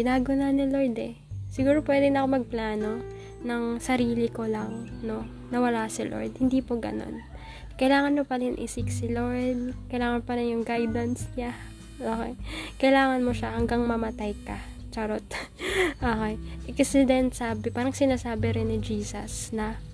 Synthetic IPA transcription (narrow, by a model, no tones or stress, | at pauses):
ɡɪnaːɡonɐnɪloɹd̪ɛ | sɪɡuːɾopwɛːd̪ɪŋnɐkomɐɡ̚plaːno̞ | nɐŋsɐɾiːlɪko̞lɐŋno̞ | nɐwɐlasɪlʔo̰ɹd̪̚hɪnd̪iːpoɡɐ̰no̰n | kɐjlaːŋɐnmopɐɾɪnʔḭsɪksɪloɹd̪̚kɐjlaːŋɐnpɐɾɪnjʊŋɡajd̪ɐnsɲa | ʔoːkejkɐjlaːŋɐnmoʃahɐŋɡaŋmɐmɐt̪ajkɐ | t͡ʃɐɾot̪ʔoːkejʔɛksɪd̪ɛnt̪saːbɪpaːɾɐŋsɪnaːsaːbɪɾɛnːɪd͡ʒiːsɐsnɐ